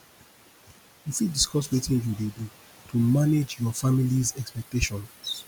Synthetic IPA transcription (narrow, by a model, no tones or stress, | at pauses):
ifidiskɔswetĩnjuwedu | tʰumaned͡ʒjɔfamilizɛkspɛk̚teʃɔ̃n